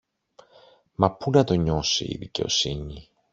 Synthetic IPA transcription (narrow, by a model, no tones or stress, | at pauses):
mɐpunɐt̪o̞ɲo̞sḭḭðice̞o̞̰siɲi